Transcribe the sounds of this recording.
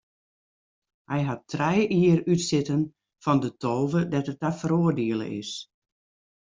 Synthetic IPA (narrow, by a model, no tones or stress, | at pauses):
hɛjɦatrɛjʔiərytsɪtən | fɔndətʰoːvədɛtətafəɾoːərdiəlˠə̰ʔɪ̰s